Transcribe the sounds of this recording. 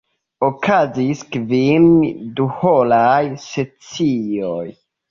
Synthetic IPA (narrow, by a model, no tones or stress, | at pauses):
okʰaziskvimduholajset͡sioj